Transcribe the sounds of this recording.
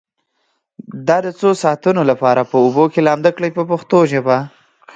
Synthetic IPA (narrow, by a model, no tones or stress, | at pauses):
d̪ɑd̪ət͡sosɑt̪unolapɑɾapəubokelɑmd̪əkɽəjpəpaxt̪oʒaba